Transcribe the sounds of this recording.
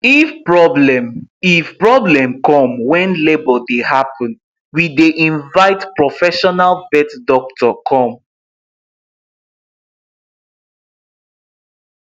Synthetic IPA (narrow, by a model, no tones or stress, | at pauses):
ifpɹɔblɛ̃mifpɹɔblɛ̃mkɔ̃mwɛ̃nlebɔdehapʰɔ̃n | wideʔĩnvaɪtpɹɔfɛʃɔnalvɛtdɔk̚tʰɔkʰɔ̃m